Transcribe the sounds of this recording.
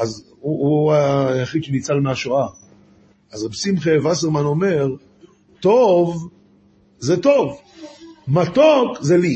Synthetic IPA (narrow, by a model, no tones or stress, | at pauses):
az | uuajaχiʃenit͡salmeaʃoa | azabsimχevas̬eʁmano̞me̞ʁ | t̪ov | zet̪o̞v | mat̪okzeli